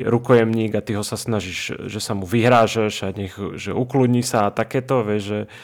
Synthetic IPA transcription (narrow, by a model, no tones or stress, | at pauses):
ɾukɔjɛmɲiːɡat̪iɦɔsasnaʒiʒ̥ʒɛsamuʋiɦɾaːʒaʒaɲɛxʒɛ̰uklud̪ɲisaːt̪akɛːt̪ɔʋɛʒʒɛ